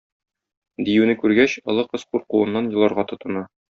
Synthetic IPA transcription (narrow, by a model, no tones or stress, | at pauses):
d̪ijʉnɘkʉɾɡæɕɤ̆lˠɤqɤsquɾquɤ̆nːɑnjɤ̆lˠɑɾʁɑt̪ŏt̪ɤ̆nɑ